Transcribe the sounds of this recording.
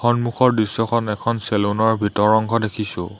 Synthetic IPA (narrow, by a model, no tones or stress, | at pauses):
xɔnmuxʰɔɹdɹisːɔkʰɔnɛkʰɔnselunɔɹbʱitɔɹɔŋɡʱɔdekʰisʊ̰̃